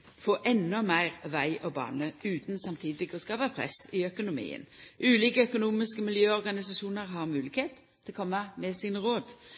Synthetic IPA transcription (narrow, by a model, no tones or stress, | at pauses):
foːʔɛnːɔmæɪʁʋæɪʔɔbɑ̰ːnəʉːt̪nsɑmt̪ʰiːd̪ɪɡɔskɑːʋəpʰʁɛ̰sɪœkʊnʊmḭːə̰nʔʉːliːkəœkʊnuːmɪskəmɪljøːɔʁɡɑnɪsɑʃuːnəɾɦɑʁmʉːlɪkheːt̪ʰːɪlkʰɔmːəmɛsɪnʁoːd̪